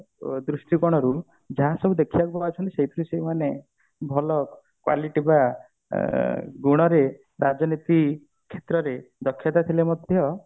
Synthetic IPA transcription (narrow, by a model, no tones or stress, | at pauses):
d̪ɾusʈikɔɽ̃ɔɾu | d͡ʒaɦãsɔbʱud̪ekʰibakubaat͡ʃʰɔnt̪i̥seit̪ɾusejmane | bʱɔlɔ | kwa̰liʈiba | ɡuɽ̃ɔɾe | ɾad͡ʒɔnit̪i | kʰːet̪ɾɔɾed̪ɔkʰːjɔt̪at̪ʰilemɔd̪ʱjɔ